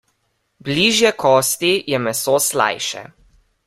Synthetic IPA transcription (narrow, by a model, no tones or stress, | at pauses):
bliʒjɛkʰɔːst̪ijɛmɛsoːsla̰jʃɛ̰